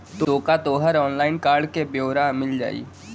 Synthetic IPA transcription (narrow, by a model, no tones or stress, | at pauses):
t̪ooːkat̪oːɦəɾɔːnlaːɪnkaːɾɖkebjoːɾamɪld͡ʒa̰ːḭː